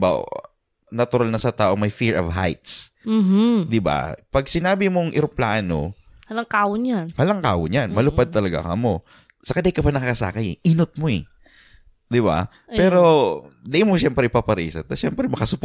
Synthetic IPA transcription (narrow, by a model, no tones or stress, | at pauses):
ba̰ | nɐt̪ʊɾalnɐsɐt̪aːʔo̞ŋmɐjfiɹɐvɦa̰jt̪s | m̩d̪ɪba̰pɐɡ̚sɪnaːbɪmoŋʔɪɾʊpla̰ːʔno̰ | halaŋkaːwʊnjanhalɐŋka̰ːwʊnjanmɐlʊpad̪̚t̪ɐlɐɡa̰kɐmo | sɐkad̪ɐjkɐpɐnɐkakɐsa̰ːkɐjɛʔinot̪̚moɛ | d̪ɪba̰ | pɛːɾo̞d̪ɛjmoʃɛmpɾɛʔɪpapɐɾḭːsɐ̰t̪ːɐʃɛmpɾɛmɐkɐsʊp